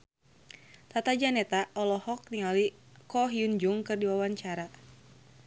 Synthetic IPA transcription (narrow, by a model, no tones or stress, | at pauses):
t̪at̪ad͡ʒanɛt̪aɔlɔhɔk̚niŋalikɔɦiund͡ʒuŋkɨrdiwawaɲt͡ʃaɾa